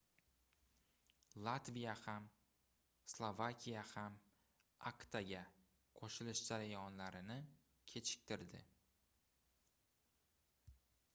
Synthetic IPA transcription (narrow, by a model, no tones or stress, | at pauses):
lˠat̪vijaham | slˠovakʲʰijaham | akt̪ʰaɡʲa | qʰoʃɪlɪʃd͡ʒaɾajɒnlaɾɪnɪ | kʲʰe̞t͡ʃʰɪ̥k̚ʲt̪ʰɪɾd̪ɪ